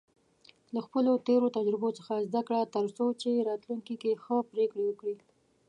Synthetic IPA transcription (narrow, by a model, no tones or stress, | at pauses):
laxpəlot̪eɾot̪ad͡ʒɾɪbot͡səxazd̪akɽat̪əɾsot͡ʃeɾɑt̪luŋkikexəpɾekɽewəkɽi